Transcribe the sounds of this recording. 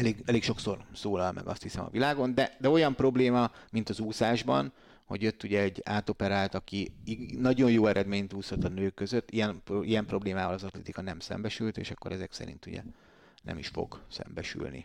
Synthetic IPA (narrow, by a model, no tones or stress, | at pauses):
ɛleːɡɛleːkʃo̞kso̞rsoːlɒlmʔɛ̰ɡɒ̰st̪hisɛmɒ̰vilaːɡo̞nd̪ɛd̪ɛo̞jɒmpro̞bleːmɒmint̪ɒzuːsaːʒbɒ̰n | ho̞̰ɟjøt̪ːuɟɛɛɟːaːt̪o̞pɛɾaːlt̪ɒkiinɒɟo̞jjoːɛɾʔɛd̪meːɲt̪uːsot̪ːɒnøːkːø̞zøt̪ːijɛnpijɛmpro̞bleːmaːvɒlɒzɒt̪lɛt̪ikɒnɛmsɛ̰mbɛʃylt̪ḛːʃɒkːo̞ɾɛzɛksɛ̰ɾḭnt̪ṵɟɛ̰ | nɛ̰miʃfo̰ɡ̥sɛ̰mbɛʃy̰lnḭ